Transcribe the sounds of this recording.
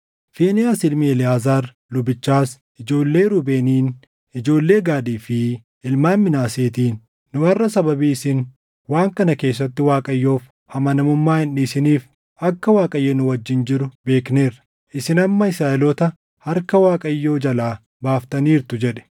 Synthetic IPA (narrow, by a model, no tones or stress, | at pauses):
feːnɪjaːsɪlmiɛlɪaːzaːɾ | lʊbɪt͡ʃːaːs | ʔɪd͡ʒo̞ːlːe̞ːɾʊbeːniːn | ɪd͡ʒo̞ːlːe̞ːɡaːd̪iːfɪ | ɪlmaːnmɪnaːseːt̪iːnː | ʊɐrːɐsɐbɐbiːɪsɪn | waːŋkɐnɐke̞ːsːɐt̪ːɪwaːkʼɐjːo̞ːf | hɐmɐnɐmʊmːaːhɪnᶑisɪniːf | ɐkːɐwaːkʼɐjːɛnʊwɐd͡ʒːɪnd͡ʒɪɾʊbe̞ːkne̞ːɾɐ | ʔɪsɪnɐmːɐɪsaːʔɛlɔt̪ɐ | hɐɾkɐwaːkʼɐjːo̞ːd͡ʒɐlaː | baːft̪ɐniːɾt̪ʊd͡ʒɛᶑɛ̥